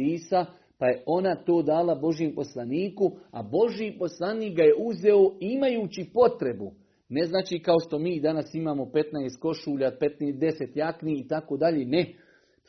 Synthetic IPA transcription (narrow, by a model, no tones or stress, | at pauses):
iːsa | paje̞ʔo̞nat̪o̞ːd̪aːlabo̞ʒjempo̞slˠaniːkua̰bo̞ʒipo̞slˠaniːk̚ɡaje̞uze̞oimajuːt͡ɕipo̞t̪ɾe̞bu | ne̞znaːt͡ʃiːkao̞ʃt̪o̞miːd̪anasimaːmo̞pe̞t̪naest̪̚ko̞ʃuːʎapet̪neːd̪e̞set̪jakniit̪akoːd̪aʎeːne